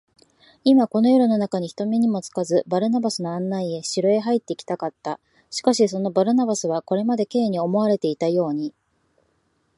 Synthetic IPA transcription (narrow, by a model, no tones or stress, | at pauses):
imako̞no̞joɾɯ̟no̞nakaɲ̟içi̥t̪o̞mʲiɲ̟imo̞t͡sɨ̥kazɨbaɾɯ̟nabasɨno̞ãnːaie̞ɕiɾoe̞ɦait̪ːe̞kʲi̥t̪akat̪ːa | ɕi̥kaɕiso̞no̞baɾɯ̟nabasɨβako̞ɾe̞mad̪e̞ke̞ːɲ̟io̞mo̞aɾe̞t̪e̞it̪ajo̞ːɲ̟i